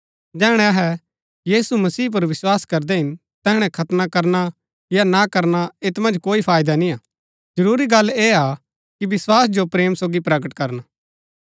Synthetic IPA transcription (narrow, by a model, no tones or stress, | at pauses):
d͡ʒɛːɦɽ̃ɛɐɦɛ | jiːsumɐsiːp̬ɐɾʋɪswaːskɐɾd̪ɛɦɪn | t̪ɛɦɽ̃ɛkʰɐt̪nakɐɾna | janakɐɾnaɪt̪mɐ̃nd͡ʒkoːipʰaːjd̪anĩaː | d͡ʒɐɾuːɾiɡɐlːeːa | kibɪswaːsd͡ʒopɾeːmsoːɡipɾɐɡəʈkɐɾna